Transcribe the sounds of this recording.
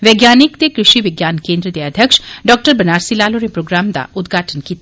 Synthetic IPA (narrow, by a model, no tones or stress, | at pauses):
ʋeːɡjaːnɪkt̪ekɾɪʃiʋɪɡjaːnkẽːnd̪ɾəd̪eəd̪ʱjəkʃɖɔːk̚ʈəɾbɐnaːɾsilaːloɾepɾoːɡɾaːmd̪a̰ʊd̪ɡʱaːʈʰənkiːt̪